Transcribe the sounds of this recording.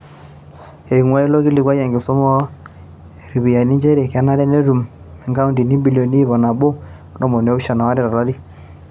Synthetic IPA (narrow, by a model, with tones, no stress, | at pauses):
e˨ŋwa˦e˦lo˦ki˦li˨kwa˦ja˨ŋɡɪ˨sɔ˦mɔ˦˨ | ɾi˨βi˨ja˨ni˦d͡ʒe˦ɾe˨ka˦na˦ɾɛ˦ne˦ɾu˨m | ɛ˨ŋka˦u˦ndi˨ni˦bi˦ljo˨ni˦bɔ˨na˨bo˦ | ndɔ˦mɔ˨n˨˦o˦bʃa˨na˨wa˦ɾɪ˦˨ɾɔ˨ɾa˦ɾi˦